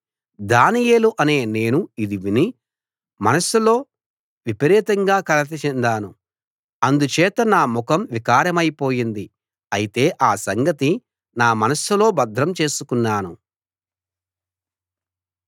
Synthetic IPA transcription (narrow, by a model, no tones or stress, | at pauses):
d̪aːnijeːluʔɐne̞ːne̞ːnuid̪iʋini | mɐnɐsulo̞ː | ʋipɐɾɛːt̪ɐŋɡaːkɐlɐt̪ɐt͡ʃɛnd̪aːnu | ɐnd̪ut͡ʃɛːt̪ɐnaːmukɐmʋikaːɾɐmɐjpo̞ːjind̪i | ɐjit̪e̞ːʔaːsɐŋɡɐt̪i | naːmɐnɐsulo̞ːbɐd̪ʱɾɐmt͡ʃe̞ːsukunːaːnu